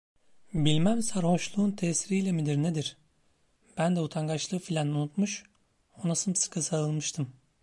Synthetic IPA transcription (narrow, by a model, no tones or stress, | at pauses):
bilʲmæmsaɾho̞ʃlˠuːnt̪ʰɛsiɾijlʲɛmid̪iɾned̪iɾ̥ | b̥ænd̪ɛut̪ʰaŋɡat͡ʃlˠɯːfilʲɛnunut̪muʃ | o̞nasɯmsɯ̥kʰɯsaɯlˠmɯʃt̪ʰɯm